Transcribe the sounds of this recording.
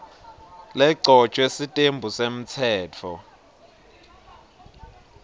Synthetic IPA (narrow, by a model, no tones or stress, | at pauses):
lɛǀʱɔ̥t͡ʃʼwesitʼembʱusem̩t͡sʰɛːt͡fʰɔ